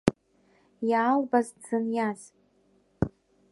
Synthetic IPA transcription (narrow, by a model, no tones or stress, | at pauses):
jaːlbazd͡zɨnjaz